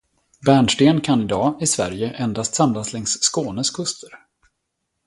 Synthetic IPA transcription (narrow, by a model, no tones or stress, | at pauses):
bæːɳʂʈeːnkʰanɪd̪ɑːɪsvæ̰ɾjəʔɛnd̪ast̪samlaslɛŋsːkoːnəskʰɵst̪ʰəɾ